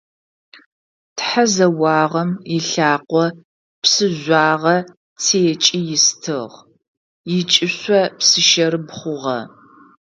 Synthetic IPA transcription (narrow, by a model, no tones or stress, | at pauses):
tħazɐwɑːʁɐmɪɬaːqʷɔ | psɨʑʷɑːʁɐ | t͡sʰeːt͡ʃʼijɪstʰɨʁ | jɪt͡ʃʼɪɕʷɐpsɨʃɐɾɨbχʷʊʁɐ̰